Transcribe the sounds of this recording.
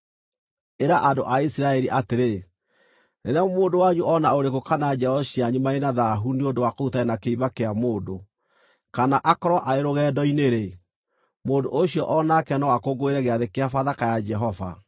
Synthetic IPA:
eɾaʔandoʔaisiɾaɛɾiʔateɾe | nenɛmoːndowaɲuʔɔnaoɾekokanad͡ʒɛɔɕiaɲumaenaðaɦuniondowakoutaɛnakeiβakeamoːndo | kanaʔakɔɾɔʔaeɾoɣɛːdɔineɾe | moːndoʔoɕiɔʔɔnakɛnɔwakoɡoeɾɛɣeaðekeafaðakajad͡ʒɛɦɔva̰

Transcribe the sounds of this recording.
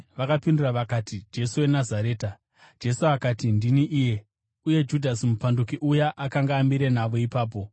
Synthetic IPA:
ʋakapinduraʋakaːtid͡ʒe̞suwe̞nazaɾe̞ːta | d͡ʒe̞suakaːtindiniʔiːje̞ | uje̞d͡ʒudʱasimupandukiʔujaʔakaŋɡaːmiɾe̞naʋoipaːp̬o̞

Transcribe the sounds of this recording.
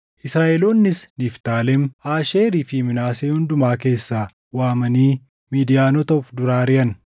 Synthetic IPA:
ʔɪsɾaːʔɛloːnːɪsnift̪aːlɛmaːʃeːɾiːfɪmɪnaːseːhʊnd̪ʊmaːke̞ːsːaː | waːmɐniː | miːd̪ɪjaːnɔt̪ɐfd̪ʊɾaːɾɪʔɐn

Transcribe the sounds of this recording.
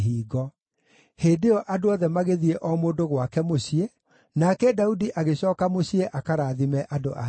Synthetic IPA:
ɦiːɣɔ | heːdeɔʔadoɔðɛmaɣeðiɛʔɔmoːndoɣwakɛmoɕiɛ | nakɛdaudiʔaɣeɕɔːkamoɕiɛʔakaɾaðimɛʔado̰ʔa

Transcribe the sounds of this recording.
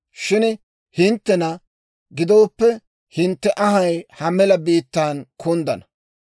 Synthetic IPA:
ʃɪn | hɪnt̪ːɛnɐ | ɡɪd̪o̞ːpːɛ | hɪnt̪ːɛʔɐɦɐjhɐmɛlɐbiːt̪ːaːnkʰʊnd̪ɐ̰nɐ

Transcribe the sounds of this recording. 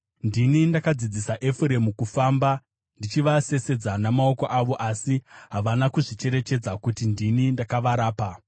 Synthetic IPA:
ndinindakad͡zid͡zisaʔe̞fuɾe̞mukufaːmba | ndit͡ʃiʋase̞se̞d͡zanamao̞ko̞ʔaʋo̞ʔasiɦaʋanakuʐit͡ʃe̞ɾe̞t͡ʃe̞d͡zakutindinindakaʋaɾaːpa

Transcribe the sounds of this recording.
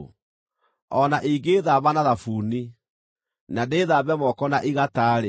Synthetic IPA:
ɔnaʔiɡeːðaβanaðafuni | nadeːðaβɛmɔkɔnaʔiɣataːɾe

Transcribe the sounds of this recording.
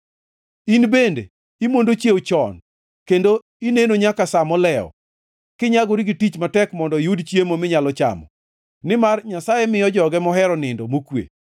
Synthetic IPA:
inbendḛ | imondot͡ʃjewot͡ʃɔn | kendo | inenoɲakasamɔlɛɔ̰ | kɪɲaɡoɾiɡitit͡ʃmatɛkmɔndɔjudt͡ʃjemomɪɲalɔt͡ʃa̰mɔ̰ | nɪmarɲasajɛmɪjɔd͡ʒɔɡɛmɔɦɛɾɔnɪndɔmokwḛ

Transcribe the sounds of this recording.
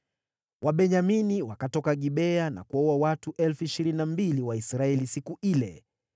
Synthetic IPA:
wʔaɓɛɲaminiwakatɔkaɠiɓɛana̰kuɔwawatuʔɛlfuiʃiɾininambiliwaisɾaɛlisikuʔilɛ̰

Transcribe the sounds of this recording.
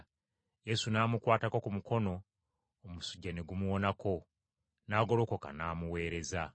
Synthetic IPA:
je̞sunaːmukwaːtako̞kumuko̞no̞ː | musuɟːane̞ɡumuwo̞nako̞ | naːɡo̞lo̞ːko̞ka̰naːmuwe̞ːɾe̞za

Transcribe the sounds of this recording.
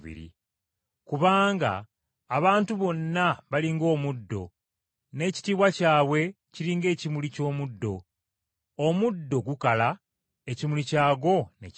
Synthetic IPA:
βḭɾḭ | kuβaːŋɡa̰ː | βaːntuβo̞nːaβaliŋɡo̞ːmudːo̞̰ | ne̞ːci̥tiːβwacaːβwe̞ | ciɾiːŋɡe̞ːcimulico̞ːmudːo̞ | omudːo̞ɡukala | e̞cimulicaːɡo̞ne̞̰c

